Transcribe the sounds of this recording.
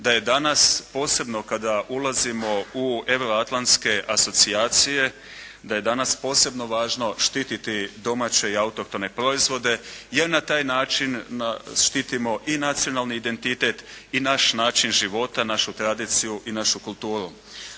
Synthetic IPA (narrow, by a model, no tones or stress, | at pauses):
d̪aje̞d̪anaspo̞ːse̞bno̞kad̪aʔulˠazimo̞ue̞ʋɾo̞at̪lˠant̪ske̞ʔaso̞t̪siaːt̪sije̞ | d̪aje̞d̪anaspo̞ːse̞bno̞ʋaːʒno̞ʃt̪iːt̪it̪id̪o̞mat͡ɕe̞iaut̪o̞k̚t̪o̞ne̞pɾo̞izʋo̞d̪e̞je̞ɾnat̪aːjnaːt͡ʃinaʃt̪iːt̪imo̞ʔinat̪sio̞nalˠniːd̪e̞nt̪it̪e̞t̪inaʃnaːt͡ʃinʒiʋo̞t̪anaʃut̪ɾad̪iːt̪sijuʔinaʃukulˠt̪uːɾu